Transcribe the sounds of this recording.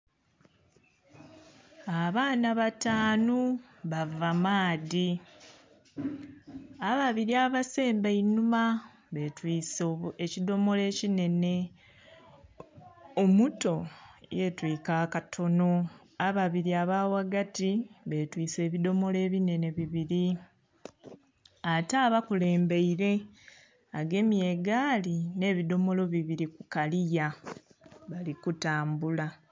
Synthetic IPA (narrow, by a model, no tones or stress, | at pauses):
aβaːnaβataːnu | βavamaːði | aβaβiɾiaβase̞ːmbainuma | βetwiːsoecido̞mo̞le̞ːcine̞ne̞ | omuto̞je̞twiːkaːkatʰo̞no̞ | aβaβiɾiaβaːwaɡatiβe̞twiːse̞ːβido̞mo̞le̞ːβine̞ne̞βiβiɾi | ataːβakule̞ːmbe̞iɾe̞ | aɡe̞mije̞ɡaːline̞ːβido̞mo̞lo̞βiβiɾikukalija | βalikutaːmbula